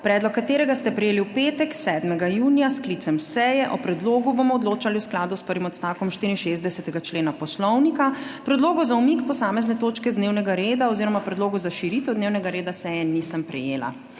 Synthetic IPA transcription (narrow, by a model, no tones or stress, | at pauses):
pɾɛːd̪lɔkːat̪eːɾɛɡast̪ɛpɾɛjeːliwpeːt̪ɛksɛːd̪mɛɡajuːnijasklit̪sɛmsɛjɛʔɔpɾɛd̪loːɡubomɔɔd̪loːt͡ʃaliwsklaːd̪uspəɾʋimɔt̪st̪aːwkɔmʃt̪iɾinʃezd̪ɛsɛt̪ɛɡat͡ʃleːnapɔslɔwnikapɾɛd̪loːɡɔzaumikpɔsaːmɛznɛt̪oːt͡ʃkɛzd̪newnɛɡaɾeːd̪aɔziɾɔmapɾɛd̪loːɡɔzaʃiɾit̪ɛwd̪neːwnɛɡaɾeːd̪asɛjɛnisəmpɾɛjeːla̰